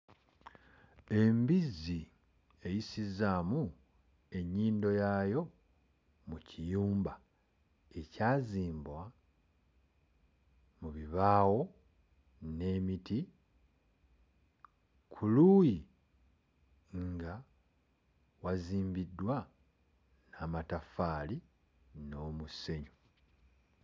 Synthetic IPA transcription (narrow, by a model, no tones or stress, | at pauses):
e̞mbizi | e̞jisizamu | e̞ɲːiːndo̞jajo̞ | mucʰijuːmba | e̞caːziːmbwa | muβiβaːwo̞ | ne̞ːmiti | kʰuluːji | ŋɡa | waziːmbidːwa | naːmatafaːli | no̞ːmuse̞ɲu